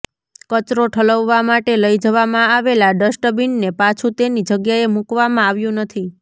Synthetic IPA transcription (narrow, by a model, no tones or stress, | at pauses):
kət͡ʃɾoʈʰələʋːamaʈeləjd͡ʒəʋamãaʋelaɖəsʈəbiɳnepat͡ʃʰũt̪enid͡ʒəɡjaemukʋamãaʋjũnət̪ʰi